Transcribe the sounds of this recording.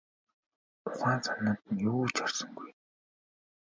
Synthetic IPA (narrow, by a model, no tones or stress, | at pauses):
ʊχaːnt͡sʰanːə̆nt̪ə̆njoːuːt͡ɕɔrsɞ̆ŋɡuj